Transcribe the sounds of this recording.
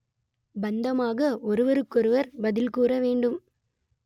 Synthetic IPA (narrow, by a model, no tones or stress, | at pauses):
bɐnd̪ɐmaːɣɐɔɾɯʋɐɾɯkːɔɾɯʋɐɾbɐðɪlkuːɾɐʋeːɳɖɯm